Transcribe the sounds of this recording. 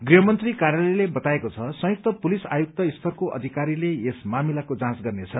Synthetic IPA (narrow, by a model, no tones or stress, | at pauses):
ɡriɦʌmʌnt̪rikarjʌlejlebʌt̪aekot͡sʰʌsʌ̃juk̚t̪ʌpulisa̰juk̚t̪ʌist̪ʰʌrkoʔʌ̰d̪ʱikaɾileesmamilakod͡zãsɡʌrnet͡sʰʌ